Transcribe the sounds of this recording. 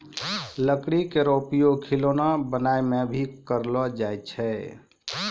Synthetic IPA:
ləkɽikeɾopijokʰilonabənaemebʱikəɾlɔd͡ʒajt͡ʃʰɛ

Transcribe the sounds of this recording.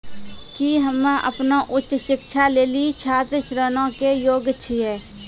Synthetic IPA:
kiɦəmʔə̰pnaʔʊtːʃɪkʃʰaleːlit͡ʃʰaːt̪əʃɾəːnõkejoːɡətʃʰiɦɛː

